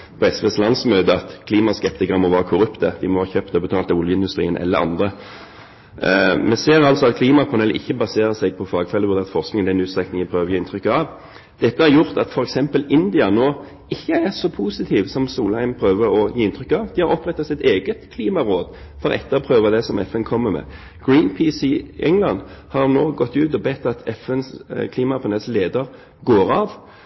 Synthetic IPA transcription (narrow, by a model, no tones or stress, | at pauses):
pʰɔɛsʋɛslɑnsmøːd̪əɑt̪kʰliːmɑskɛpt̪ɪkəʁəmɔʋæːʁəkʰʊɾʉpt̪əd̪ɪmɔhɑːçøːpt̪ɛɔbət̪ʰɑːlt̪ɔljəɪnd̪ʉst̪ʁḭːənʔɛ̰lːəɾɑ̰nd̪ʁə | mɛseːʁɑlt̪sɔɑt̪kʰliːmɑpʰɑnɛlʔɪçːəbɑseːɾəsɛɡ̚pʰɔfɑːɡfɛlːəʋʉd̪eːɑt̪fɔʁsknɪŋnɛnʉːt̪st̪ʁɛknɪŋɪpʰʁøːʋjiːɪnt̪ʰɾʏkːɑʋ | d̪̥ɛt̪ːəhɑʁjʊʁt̪ɑt̪fɔɾɛksɛmpəlɪnd̪ɪɑnoː | ɪçːəæʁsɔpʰuːsɪt̪ʰiːʋsɔmsuːlhæɪmpʰɾøːʋəɾɔjiːɪnt̪ʰʁʏkːɑʋd̪ɪhɑɾɔpːʁɛt̪ːɑsɪt̪eːɡət̪kʰliːmɑʁoːd̪ | fɔʁɛ̰t̪ːəɔpʰʁøːʋɑd̪ɛsɔmɛ̰fɛnkʰɔmːəmɛ̰ː | ɡ̥ɹiːnpʰiːsiɛŋlɑnhɑʁnoːɡɔt̪ːʉːt̪ɔbɛt̪ːɑt̪ʰɛfɛnskʰliːmɑpʰɑnɛlsleːd̪əʁ | ɡoːʁɑʋ